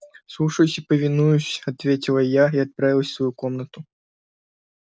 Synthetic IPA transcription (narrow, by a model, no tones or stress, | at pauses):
slˠuʂəjʊsʲɪpəvʲɪnujʊsʲɐt̪vʲetʲɪlˠəjaiɐt̪̚pɾavʲɪlˠəsʲsvɐjukomnət̪ʊ